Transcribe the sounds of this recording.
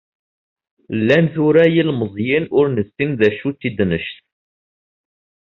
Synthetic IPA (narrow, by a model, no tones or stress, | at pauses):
lːænθuɾæjilməzˤjɪnʊɾnəsːimðæʃut͡sːid̪nəʃθ